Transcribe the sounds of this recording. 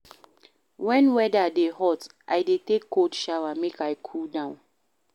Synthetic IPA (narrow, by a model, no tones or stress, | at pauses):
wɛ̃nwɛdadehɔtʔajdetekːodʃawamekajkʰudãʊ̃n